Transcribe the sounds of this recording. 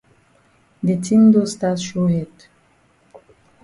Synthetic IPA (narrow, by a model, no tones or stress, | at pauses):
detʰĩmdostatʃohɛd